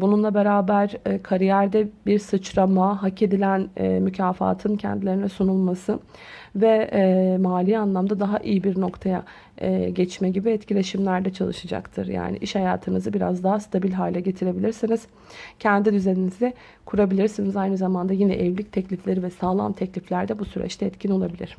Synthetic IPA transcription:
bununlˠabe̞ɾaːbæɾkʰaɾijæɾd̪ɛbiɾsɯt͡ʃɾamaɦacʰe̞d̪ilʲænɛmycʰaːfa̰ːt̪ʰɯncʰɛ̰nd̪ilʲe̞ɾinɛsunulˠmasɯvɛmaːlʲianlˠamd̪ad̪aɦaʔijibiɾno̞kt̪ʰaja̰ | ɟɛt͡ʃmɛɟibiɛt̪cʰilʲe̞ʃimlʲæɾd̪ɛt͡ʃʰalˠɯʃad͡ʒa̰kt̪ʰɯɾja̰ːnḭʔiʃhajaːt̪ʰɯnɯzɯbiɾa̰zd̪aɦast̪ʰabilʲɦaːlʲɛɟe̞t̪ʰiɾe̞bilʲiɾsiniz̥ | cʰɛnd̪id̪yzeninizɛ | kʰuɾabilʲiɾsinizajnɯzamand̪ajinɛʔɛvlʲic̚t̪ʰɛclʲiflʲe̞ɾivɛsaːlˠa̰mt̪ʰɛclʲiflʲæɾd̪ɛbusyɾɛ̰t͡ʃt̪ʰɛɛt̪cʰino̞lˠabilʲiɾ̥

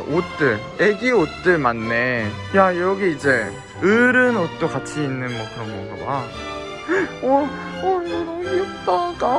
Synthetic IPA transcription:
ot͈ɯɭ | eɡiot͈ɯɭmanːe̞ | jajʌɡiid͡ʑe̞ | ɯɾɯnot̚t͈okat͡ɕʰiːnːɯnmwʌkɯɾʌmbʌŋɡaba | ʌ | ʌjʌɾʌjot͈aɡa

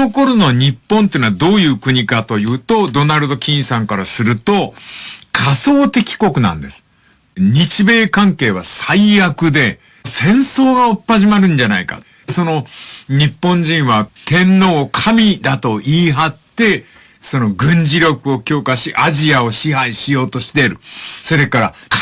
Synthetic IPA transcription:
oko̞ɾono̞ɲ̟ipːõ̞nt̪eiːnaβad̪o̞ːjɯ̟ːkɯ̟ɲ̟ikat̪o̞jɯ̟ːt̪od̪o̞naɾɯ̟d̪o̞kʲĩɰ̃sãŋkaɾasɨɾɯ̟t̪o̞ | kʰaso̞ːt̪e̞kʲi̥ko̞kɯ̟nã̰nd̪e̞sɨ̥ | ɲ̟it͡ɕibe̞ːkãŋke̞ːβ̞asaijakɯ̟d̪e̞ | sẽ̞ɰ̃so̞ːɡaopːaʑimaɾɯ̟̃ɲd͡ʑanaika̰ | so̞no̞ɲ̟ipːõ̞ɲ̟d͡ʑĩɰ̃βat̪ẽ̞nːo̞ːkʰamʲid̪at̪o̞ʔiːɦat̪ːe̞ | so̞no̞ɡɯ̟̃ɲd͡ʑiɾʲjo̞kɯ̟o̞kʲo̞ːkaɕiʔaʑiao̞ɕiɦaiɕijo̞ːt̪o̞ɕi̥t̪e̞ɾɯ̟so̞ɾe̞kaɾak

